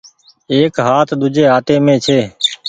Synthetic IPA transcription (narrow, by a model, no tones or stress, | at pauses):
eːkɦaːt̪ʰɗ̪ʊd͡ʒeːɦaːʈ̪eːmẽːt͡ʃʰeː